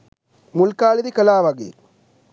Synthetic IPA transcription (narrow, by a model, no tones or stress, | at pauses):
mulkaːliðikɐlaːʋaɡḭ